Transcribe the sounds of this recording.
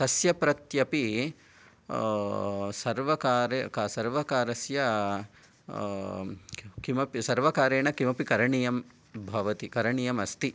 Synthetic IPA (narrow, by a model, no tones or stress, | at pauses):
t̪ɐsjɐpɾɐt̪jɐpi | sɐɾʋɐkaːɾekasɐɾʋɐkaːɾɐsjɐ | kimɐpisɐɾʋɐkaːɾeːɳɐkimɐpikɐɾɐɳijɐm | bʱɐʋɐt̪ikɐɾɐɳijɐmɐst̪i